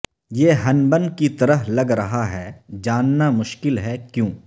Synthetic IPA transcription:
jeːɦɐnbənkit̪ɐɾəɦlɐɡɾɐɦaɦɛːd͡ʒaːnːamʊʃkɪlɦɛkjõː

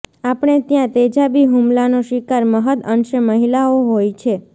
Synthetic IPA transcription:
apɳ̃et̪jãt̪ed͡ʒabiɦumlanoʃikaɾməɦəd̪ənʃəməɦilaoɦojt͡ʃʰe

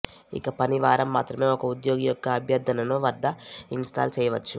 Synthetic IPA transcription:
ḭkɐpɐniʋaːɾɐmːaːt̪ɾɐmeːɔkɐud̪joːɡijɔkːɐːbʱjɐɾd̪ʱɐnɐnoːʋɐɾd̪ʱɐinsʈa̰ːlt͡ʃɛːjɐʋɐt͡ʃːu

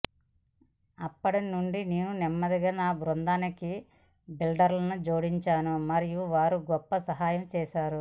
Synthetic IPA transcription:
ɐpːɐɽɐnnuɳɖineːnunimːɐd̪iɡaːnaːbɾond̪aːniki | bilɖɐɾlɐnud͡ʒo̞ːɽiɲt͡ʃaːnumɐɾijuʋaːɾuɡɔpːɐsɐɦaːjɐmt͡ʃɛːʃaːɾu

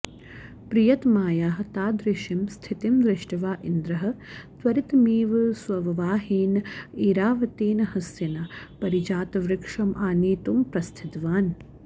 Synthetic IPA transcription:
pɾijɐt̪maːjaːɦɐt̪aːd̪ɾɪʃimst̪ʰit̪imd̪ɾɪʂʈɐʋaːʔind̪ɾɐɦɐ̆t̪ʋɐɾit̪miːʋɨsʋɐʋɐʋaːɦiːniːɾaːʋɐt̪iːnɐhɐsjɐnɐpɐɾid͡ʒaːt̪ɐʋɾɪkʂɐmʔaːniːt̪umpɾɐst̪ʰit̪ʋaːn

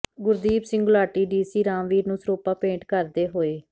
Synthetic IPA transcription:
ɡʊɾd̪iːbsɪ̃ŋɡʊlaːʈiːɖiːsiːɾãːmʋiːɾnũːsɾoːpaːpẽːɳʈkəɾd̪eːɦoːeː

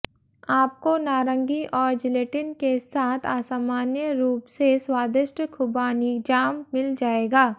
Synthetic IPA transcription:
aːp̚konaːɾə̃ŋɡiʔɔːɾd͡ʒɪleːʈɪnkesaːt̪ʰaːsaːmaːnjəɾuːpseswaːd̪ɪʃʈəkʰʊbaːnid͡ʒaːmːɪld͡ʒaːeːɡaː

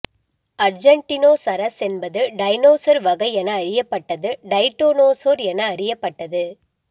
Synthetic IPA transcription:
ɐɾd͡ʒɐɳʈɪnoːsɐɾɐsɛnbɐðɯɖɐɪnoːsɐɾʋɐɣɐɪɛnɐːɾɪjɐpːɐʈːɐðɯɖɐɪʈːoːnoːsoːɾɛnɐːɾɪjɐpːɐʈːɐðɯ

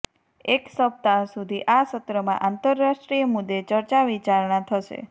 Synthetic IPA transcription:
eksəp̚t̪asud̪ʱiʔasət̪ɾəmã̰ʔant̪əɾːaʃʈɾijəmud̪ːet͡ʃəɾt͡ʃaʋit͡ʃaɾɳat̪ʰəʃḛ

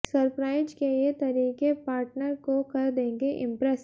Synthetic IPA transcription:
sɐɾpɾaːɪzkelet̪ɐɾiːkepaːɾʈnəɾkokɐɾd̪ẽːŋɡeʔɪ̃mpɾɛs

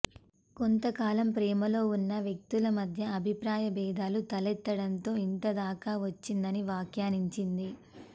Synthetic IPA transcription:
kont̪ɐkaːlɐmpɾɛːmɐlo̞ːunːɐʋjek̚t̪ulɐmɐd̪ʱjɐɐbʱipɾaːjɐbɛːd̪aːlut̪ɐlɛt̪ːɐɽɐnt̪o̞ːint̪ɐd̪aːkaːʋɐt͡ʃːind̪ɐniʋaːkjaːniɲt͡ʃind̪i

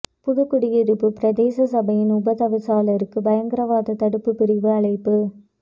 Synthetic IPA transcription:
pʊðʊkːʊɽɪjɪɾɯpːɯpɪɾɐd̪eːsɐsɐbɐjɪnʊbɐt̪ɐʋɪsaːlɐɾɯkːɯbɐjɐŋɡɪɾɐʋaːðɐt̪ɐɽɯpːɯpɪɾɪʋɯɐɭɐɪpːɯ

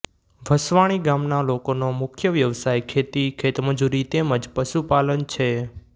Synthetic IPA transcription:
ʋʱəsʋaɽ̃iɡamnalokonomʊkʰjəʋjəʋsajkʰet̪ikʰet̪məd͡ʒuɾit̪eməd͡ʒpəʃupalənt͡ʃʰe

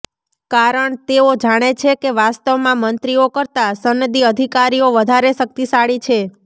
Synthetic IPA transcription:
kaɾəɳt̪eod͡ʒaɽ̃et͡ʃʰekeʋast̪əʋmãmənt̪ɾiokəɾt̪asənːəd̪iəd̪ʱikaɾioʋəd̪ʱaɾeʃək̚t̪isaɭit͡ʃʰe

